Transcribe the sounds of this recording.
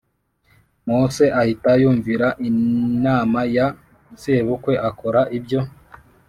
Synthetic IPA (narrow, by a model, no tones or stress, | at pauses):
muse̞ʔahitajuːɱviɾaʔinaːmaja | zeːβukwe̞ʔakoɾaʔibjo̞